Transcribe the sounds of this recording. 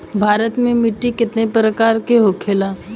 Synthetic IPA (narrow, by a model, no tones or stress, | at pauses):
bʱaːɾət̪mẽmɪʈːikɪt̪nepɾəkaːɾkeɦokʰeːla